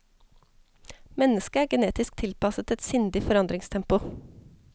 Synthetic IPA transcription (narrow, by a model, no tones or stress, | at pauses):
mɛnəskəæːɡəneːt̪ɪsk̚t̪ʰɪlpɑsət̪ʰɛt̪sʏnd̪ɪfɔɾɑnd̪ɾɪŋst̪ʰɛmpʊ